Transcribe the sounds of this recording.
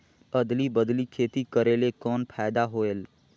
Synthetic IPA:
əd̪libəd̪likʰeːt̪ikəɾeːlekɔːnpʰaːd̪aɦoːeːl

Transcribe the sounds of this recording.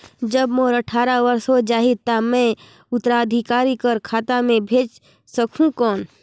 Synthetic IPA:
d͡ʒəbmoːɾəʈʰaːɾaʋəɾsɦod͡ʒaːɦit̪amɛ̃ | ʊt̪əɾaːd̪ʱikaːɾikəɾkʰaːt̪amẽbʱeːd͡ʒ | səkʰũkɔːn

